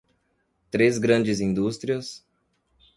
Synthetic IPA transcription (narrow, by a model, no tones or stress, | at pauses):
t̪ɾezɡɾɐ̃nd͡ʒɪzĩnd̪ust̪ɾiɐs